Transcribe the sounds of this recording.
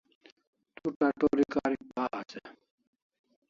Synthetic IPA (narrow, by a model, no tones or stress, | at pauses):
t̪uʈaʈoɾikaːɾik̚baːase